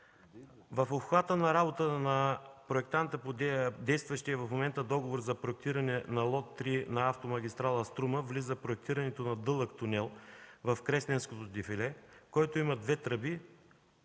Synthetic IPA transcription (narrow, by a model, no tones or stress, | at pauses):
vɐfopxvat̪ənɐɾabot̪ənɐpɾoɛkt̪ant̪əpod̪ɛjst̪vɐʃt̪iɐvɐfmomɛnt̪əd̪ɔɡovoɾzɐpɾoɛk̚t̪iɾɐnɛnɐlˠɔt̪ːɾinɐaft̪omɐɡ̟ʲist̪ɾalˠəst̪ɾuməvlizəpɾoɛk̚t̪iɾɐnɛt̪onɐd̪ɤlˠəkt̪unɛlˠvɐfkɾɛsnɛnskot̪od̪ifilɛkɔjt̪oimɐd̪vɛt̪ɾəbi